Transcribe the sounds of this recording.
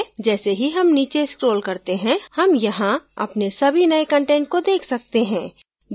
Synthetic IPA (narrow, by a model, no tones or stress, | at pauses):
d͡ʒɛːseɦiɦɐmniːt͡ʃeskɾoːlkɐɾt̪eɦɛ̃hɐmjɐɦãɐ̰pnesɐbʱinɐekɐ̃ɳʈẽːɳʈ̚kod̪eːkʰsɐk̚t̪eɦɛ̃ː